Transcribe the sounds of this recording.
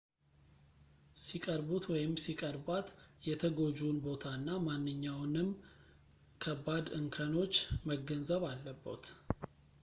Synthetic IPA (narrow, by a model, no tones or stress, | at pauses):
sikʼəɾbut̪wɔjɪmsikʼəɾbat̪jɛt̪ʰəɡo̞d͡ʒunbo̞t̪ʰaɨnːamanːɨɲːawnɨm | kʰəbːad̪ɨŋkʰəno̞t͡ʃːməɡənzəβalːəbːə̰t̪